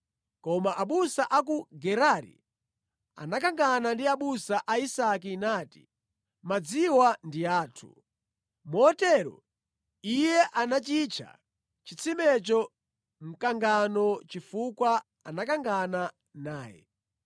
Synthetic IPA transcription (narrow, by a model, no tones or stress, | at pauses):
kɔmaʔaɓusaʔak̬uɡɛɾaɾḭ | a̰nak̬aŋɡanandiaɓusaʔaisakinaːti̥̰ | mad͡ziwandiaːtʰṵ | mɔɔtɛɾɔ̰ | ijɛʔanat͡ʃit͡ʃʰa̰ | t͡ʃit͡sʰimɛt͡ʃɔ | m̩kaŋɡanɔt͡ʃifukwa | anakaŋɡana | naːjɛ̰